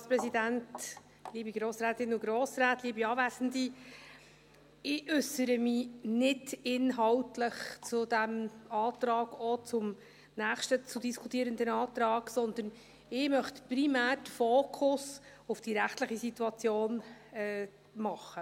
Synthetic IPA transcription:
spɾɛsidænt | liːbiɡɾoːsɾɛːtɪnʊɡɾoːsɾæːtliːbiɑːvæːsəndi | ɪʏsːəɾəmɪnɪdɪnɦɑwtləχt͡sʊdæmɑːt̪ɾɑːɡɔt͡sʊm | næːχʃtət͡sudiskʰutiəɾənd̪ənɑːt̪ɾɑːɡ̥sɔnd̪ən | ɪmœχtprimæːrtfoːkʰʊs | ʊfd̥iɾæχtləχisituɑt͡sjoːnɛ | mɑχə

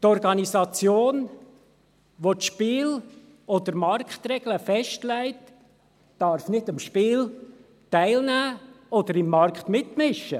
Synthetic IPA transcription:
tɔɾɡɑnisɑt͡sjoːn | ʋotʃpiːl | ɔd̥̪əɾmɑɾkχt̪ɾɛɡ̥ləfɛʃtlæɪtː | ɑɾfnɪdəmʃpiːl | tæɪlnæːɔd̥̪əɾɪmːɑɾkt̪mɪtmɪʃːə

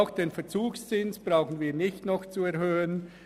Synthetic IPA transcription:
ʊxd̥eːnfɛt͡suːkst͡sɪnsb̥raʊxən̩viːɐnɪçtnɔxt͡suɛɐhøːən

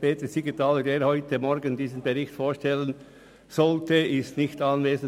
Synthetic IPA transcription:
peːtəsiɡitʰɑːlədeːɾhɔʏtəmɔɾɡəndiːzənbeʁɪçtfoːɾʃtɛlən | z̥ɔltəɪstnɪçtɑnveːzən

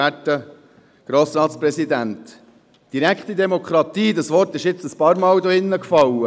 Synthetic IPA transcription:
ætːə | ɡ̥ɾoːsɾɑːt̪spɾɛsid̪ænt̪ | d̥iɾækχt̪id̪ɛmokʰχɾɑt̪iːdɑsʋɔrtɪʃjɪt͡səspɑːɾmɑːwd̪ɔɪnːəkfɑwə

